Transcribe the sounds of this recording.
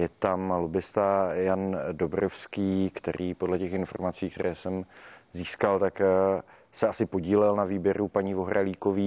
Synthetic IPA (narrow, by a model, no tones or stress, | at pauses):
jɛt̪amlobɪst̪ajandobɾofskiːkt̪ɛ̰ɾʔiːpo̞dlɛcɛxɪnfo̞ɾmat͡siːkt̪ɛɾɛːsɛmziːskalt̪ak | sɛasɪpo̞ɟiːlɛlnaviːbjɛɾupaɲiːvo̞ɦɾʔaliːkoviː